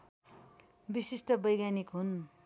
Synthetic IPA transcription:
bisisʈʌbʌjɡjanikɦun

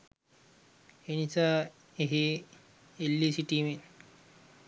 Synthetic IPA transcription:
enit͡ʃa | eɦe | elːisiʈimen

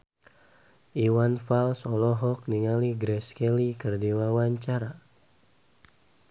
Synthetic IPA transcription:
ʔiwanfalsɔlɔɦɔk̚niŋaliɡɾɛskɛlikərdiwawaɲt͡ʃaɾa

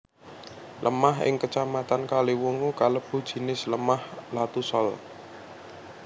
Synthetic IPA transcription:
lʔə̰maɦɪ̰ŋkət͡ʃamat̪ankaliwuŋukaləb̥ṳd̥ʒ̥i̤nɪsləmahlat̪usɔl

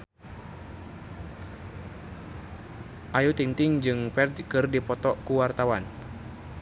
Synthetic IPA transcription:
ʔajut̪iŋt̪iŋd͡ʒɨŋpɛrd͡ʒkɨrdipɔt̪ɔkuwart̪awan

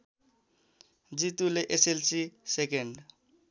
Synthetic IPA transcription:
d͡ʒit̪uleʔeselsisekeɳɖ

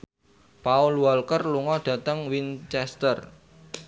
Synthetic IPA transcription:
paulwalkərluŋɔɖ̥ä̤t̪əŋwint͡ʃɛst̪ər

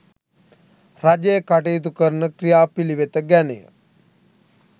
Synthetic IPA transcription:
rad͡ʒejəkaʈejːt̪̬ukəɾnəkrijaːpiliʋet̪əɡænḛjə̰

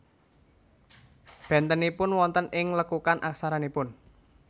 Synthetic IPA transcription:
b̥ɛ̤nt̪ənipʊnwɔnt̪ənɪŋləkukanʔaksaɾanipʊn

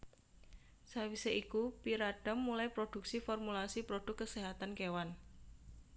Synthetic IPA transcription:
sawiseʔikupiɾaɖ̥əmːulajpɾoɖ̥ṳk̚sifɔrmulasipɾoɖ̥ʊ̤kːəseɦat̪ankewan

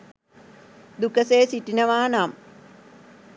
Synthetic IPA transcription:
d̪ukːɐseːsitːinɐʋaːnaːm

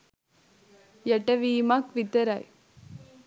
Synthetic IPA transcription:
jɛʈɐʋiːmakʋit̪ɐɾaj

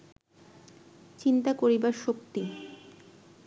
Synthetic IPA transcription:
t͡ɕint̪akoɾibaɾʃokt̪i

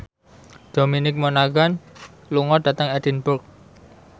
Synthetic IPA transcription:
d̪̥o̤minɪk̚monaɡan | luŋɔd̥a̤t̪əŋɛd̥inbʊrk̚

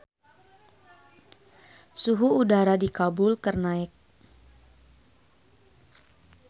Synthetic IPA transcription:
suɦuːdaɾadikabʊlkərnaɪk̚

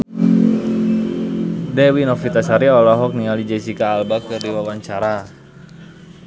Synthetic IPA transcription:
dɛwinɔfit̪asaɾiɔlaɦɔk̚nialid͡ʒɛsikaːlbakɨrdiwawaɲt͡ʃaɾa

